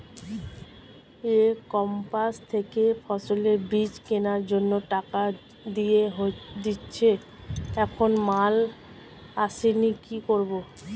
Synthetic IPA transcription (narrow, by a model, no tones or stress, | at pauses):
ekɔmpast̪ʰekefʰɔsoleɾbit͡ɕkenaɾd͡ʑonːoʈaka | d̪ijeɦod̪itːɕʰe | ɛkʰonmal | aʃenikikoɾbo